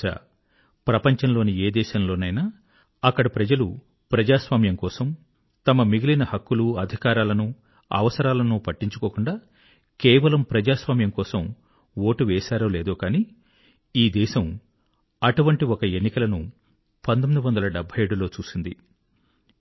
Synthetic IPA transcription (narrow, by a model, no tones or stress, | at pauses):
a̰ | pɾɐpɐɲt͡ʃɐnlo̞ːnieːd̪ɛːʃɐmlo̞ːnɐjnaː | ɐkːɐɽɐpɾɐd͡ʒɐlu | pɾɐd͡ʒaːsʋaːmjɐŋkɔːsɐm | t̪ɐmɐmiɡilinɐhɐkːuluɐd̪ʱikaːɾaːlɐnu | ɐ̰ʋɐsɐɾaːlɐnupɐʈːiɲt͡ʃukoːkuɳɖaː | kɛːʋɐlɐmpɾɐd͡ʒaːsʋaːmjɐmkɔːsɐm | woːʈuʋɛːʃaːɾo̞ːleːd̪oːkaːniː | iːd̪ɛːʃɐm | ɐʈuʋɐɳʈiɔkɐenːikɐlɐnu | pɐnt̪omid̪uʋɐnd̪ɐlɐɖɛbʱːɐje̞ːɽulo̞ːt͡ʃuːsind̪ḭ